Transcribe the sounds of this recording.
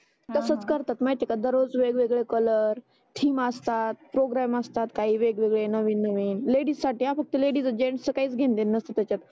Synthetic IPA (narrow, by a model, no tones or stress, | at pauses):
t̪əsət͡skəɾt̪at̪mat̪ekad̪əɾod͡zʋeɡʋeɡɭekələɾ | ʈʰiːməst̪at̪̚pɾoɡɾaməst̪at̪kaɦiːʋeɡʋeɡɭenəʋiːnːəʋiːnleɽiːssaʈiːafək̚t̪əleɽiːd͡zəd͡ʑeɳʈsəkaiːt͡sɡʱend̪enːəst̪at̪jat͡ɕat̪